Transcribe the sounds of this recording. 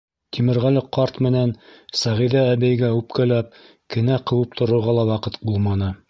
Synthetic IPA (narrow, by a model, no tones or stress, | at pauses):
t̪ʰimɘ̆ɾʁælɘqɑɾt̪mɘ̆nænsæʁiðæːbæjɡæʉp̚kælæp̚ | kɘ̆næqɤ̆wɤp̚t̪ʰŏɾŏɾʁɑlˠɑwɑqɤt̪bulˠmɑnɤ